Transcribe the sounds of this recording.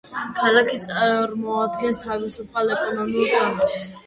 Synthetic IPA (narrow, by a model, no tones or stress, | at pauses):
kʰalˠakʰit̪sʼaɾmɔad̪ɡɛnst̪ʰavisupʰalˠɛkʼɔnɔmiuɾsamɛt̪s